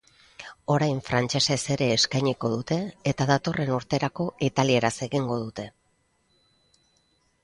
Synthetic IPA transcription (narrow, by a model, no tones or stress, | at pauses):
o̞ɾajɱfɾant͡ʃe̞se̞se̞ɾe̞ːskajɲiko̞ð̞ut̪e̞ːt̪aðat̪o̞re̞nuɾt̪e̞ɾako̞it̪alie̞ɾase̞ɣiŋɡo̞ð̞ut̪e̞